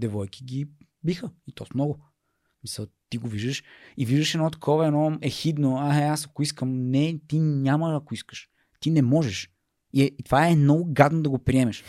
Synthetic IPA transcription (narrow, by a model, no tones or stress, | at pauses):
d̪ɛvɔjkʰʲi̥ɡʲi | bixəit̪ɔsmnɔɡʊ | smisəlˠt̪iɡoviʒd̪əʃiviʒd̪əʃɛd̪nɔt̪ɐ̥kʰɔvəɛnɔɛxid̪noaɦaasɐkoiskəmnɛt̪iɲaməːkoiskə̥ʃ | t̪inɛmɔʒɛʃ | it̪ovaɛnɔɡʊɡad̪nod̪ɐɡopɾiɛmɛʃ